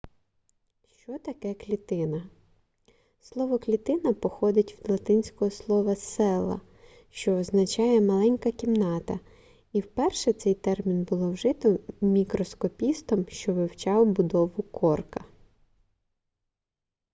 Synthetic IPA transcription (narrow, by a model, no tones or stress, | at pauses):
ʃt͡ʃɔt̪ɐkɛklʲit̪ɪnɐ | slˠɔʋɔklʲit̪ɪnɐpɔxɔd̪ɪtʲwd̪lˠɐt̪ɪnʲsʲkɔɦɔslˠɔʋɐsɛlˠɐ̰ | ʃt͡ʃɔːznɐt͡ʃɑjɛmɐlˠɛnʲkɐkʲimnɑt̪ɐ | iwpɛrʃɛt̪sɛjt̪ɛrmʲinbʊlˠɔwʒɪt̪ɔmʲikɾɔskɔpʲist̪ɔmʃt͡ʃɔʋɪwt͡ʃɑwbʊd̪ɔʋʊkʰɔrkɐ